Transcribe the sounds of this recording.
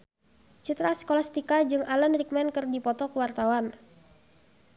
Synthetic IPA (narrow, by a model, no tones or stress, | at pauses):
t͡ʃit̪ɾaskɔlast̪ikad͡ʒɨŋalanrik̚mɛnkɨrdipɔt̪ɔkəwart̪awan